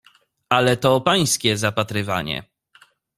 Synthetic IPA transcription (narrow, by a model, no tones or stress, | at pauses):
alɛt̪ɔpaj̃skʲɛzapat̪ɾɘva̰ɲɛ̰